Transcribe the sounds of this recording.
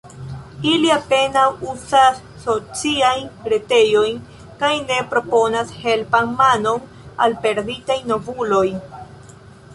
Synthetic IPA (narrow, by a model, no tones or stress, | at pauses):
iliape̞nawusasːo̞t͡siajnɡɾete̞jo̞jn | kajne̞pɾo̞po̞nashe̞lpanmano̞n | a̰lpe̞ɾditajno̞vulo̞j